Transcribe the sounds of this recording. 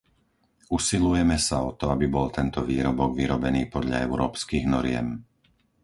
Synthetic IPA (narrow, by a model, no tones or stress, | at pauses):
usilujɛmɛsaɔt̪ɔabibɔlt̪ɛnt̪ɔʋiːɾɔbɔɡʋiɾɔbɛniːpɔd̪ʎa̰ɛʊɾɔːpskiɣnɔɾɪɛ̰m